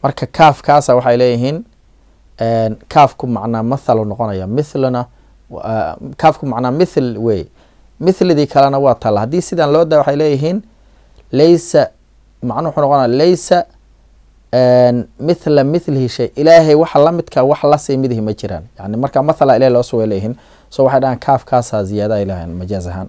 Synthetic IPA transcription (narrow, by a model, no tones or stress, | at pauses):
mɐrkʰɐkʰaːfkʰaːsaːwɑħɑjlɛːjɪɦiːn | ɛːnkʰaːfkʰʊmɑʕnaːmɐθɐlʊnɔqɔnɐjɐmɪθlnɐ | kʰaːfkʰʊmɑʕnaːmɪθlwɛːjɛ̰ | mɪθlɪðiːkʰɐlɛnɐwɑːt̪ʰɐlɐhɐd̪iːsɪðaːnlɔːd̪ɐjwɑħɑjlɛːjɪɦiːn | lɛjsɐ | mɑʕnʊwħuːnɔqɔnɐjalɛjsɐ | nmɪθlɐmɪθlɪhɪʃɛjʔɪlaːɦɛjwɑħɑlɐmɪd̪kʰɐwɑħlɐsiːmɪðɪɦɪmɐt͡ʃɪɾa̰ːnjɑʕnɪmɐrkʰaːmɐθɐlaːɪlaːhɛlɔːsʊwɛlɛjɦiːn | sɔːwɑħɑjɖɐɦɛːnkʰaːfkʰaːsaːsɪjaːðɐjlɐɦɛ̰nmɐt͡ʃaːs̬ɐɦa̰ːn